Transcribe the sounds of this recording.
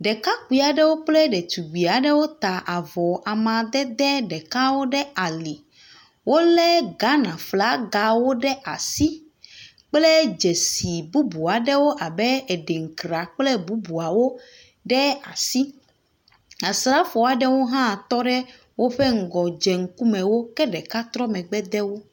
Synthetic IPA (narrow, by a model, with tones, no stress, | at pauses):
ɖɛ˨ka˦k͡pi˨a˨ɖɛ˦wo˦k͡plɛ˦ɖɛ˨t̪u˨ɡ͡bi˨a˨ɖɛ˦wo˦t̪a˨ʔa˨vɔ˨ʔa˨mã˨d̪ɛ˦d̪ɛ˦ɖɛ˨ka˦wo˦ɖɛ˦a˨li˨ | wo˦lɛ˦ɡa˦nã˨fla˦ɡa˦wo˦ɖɛ˦ʔa˨si˦ | k͡plɛ˦d͡ʒe˨si˨bu˦bu˨a˨ɖɛ˦wo˦ʔa˨bɛ˦e˨ɖe˨ŋ̩˨kɾa˨k͡plɛ˦bu˦bu˨a˨wo˦ | ɖɛ˦a̰˨si˦ | a˨sɾa˦fo˨a˨ɖɛ˦wo˦ɦã˦˨t̪ɔ˦ɖɛ˦ | wo˦ɸɛ˦ŋ̩˨ɡɔ˨d͡ʒɛ˨ŋ̩˦ku˦mɛ̃˨wo˦kɛ˦ɖɛ˨ka˦t̪ɾɔ˦mɛ̃˨ɡ͡bɛ˦d̪ɛ˦wo˦